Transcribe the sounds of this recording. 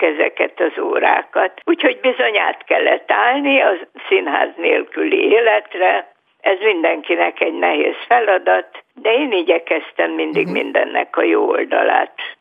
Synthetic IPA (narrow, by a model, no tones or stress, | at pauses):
kɛzɛ̰kɛt̪ɒzoːɾa̰ːkɒt̪uːcho̞ɟbizo̞ɲaːt̪kɛlːɛt̪ːaːlniɒsinɦa̰ːzneːlkylḭeːlɛt̪rɛ | ɛzmind̪ɛŋkinɛkɛɟnɛɦeːsfɛlɒd̪ɒt̪d̪ɛeːniːɟɛkɛst̪ɛmːind̪iɡmḭnd̪ɛnːɛ̰kɒjoːold̪ɒ̰la̰ːt̪